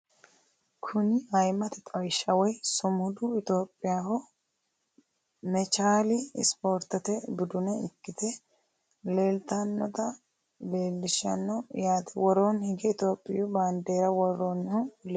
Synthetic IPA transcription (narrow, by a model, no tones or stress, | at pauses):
kʰʊnɪɐjmɐt̪ɛt̪ʼɐjʃɐwɔjsʊmʊd̪ʊɪt̪o̞ːpʼːɪjaːhɔ | mɛt͡ʃaːlɪ̰spo̞ːɾt̪ɐt̪ɛbɪd̪ʊnɐɪkːɪt̪ɛ | le̞ːlt̪ɐnːɔd̪ɐ | le̞ːlːɪʃɐ̰nːɔjaːt̪ɛwɔɾoːnhɪɡɛt̪o̞ːpʼːɪjʊbaːnd̪eːɾɐwɔɾonhʊl